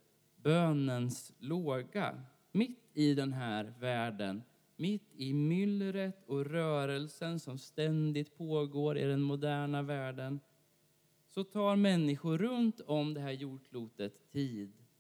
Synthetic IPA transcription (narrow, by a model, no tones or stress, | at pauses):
bøːnənsloːɡa̰ | mɪt̪ːɪd̪ɛnɦæːɾvæːɖə̰n | mɪt̪ːɪmʏlːɾət̪ʰɔɾœːɾəlsənsɔmst̪ɛnd̪ɪt̪̚pʰoːɡoːɾɪ̰d̪ɛnmʊd̪æːɳavæːɖən | sɔt̪ʰɑːɾmɛnːɪɧʊɾɵnt̪ɔmd̪ɛɦæːɾjuːʂluːt̪ət̪ʰːiːd̪